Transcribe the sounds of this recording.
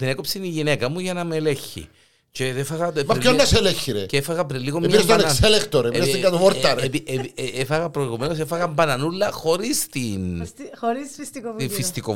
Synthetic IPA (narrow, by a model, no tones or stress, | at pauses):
t̪inekopsiniʝinekɐmuʝɐnɐmeleçːḭ | ceðefɐɣɐmɐpːonnːɐseleçːiɾeceefɐɣɐpɾiliɣomepinest̪ɐnekselekt̪oɾpeiest̪ɡɐt̪ovoɾt̪ːɐɾepiepiefɐɣɐpɾoiɣumenos̬efɐɣɐmbɐnɐnulːɐxo̞ɾist̪inoɾisfist̪ikoifist̪iko